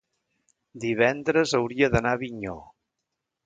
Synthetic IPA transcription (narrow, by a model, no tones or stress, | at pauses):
d̪iβ̞ɛnd̪ɾəzəwɾiəðənaβiɲo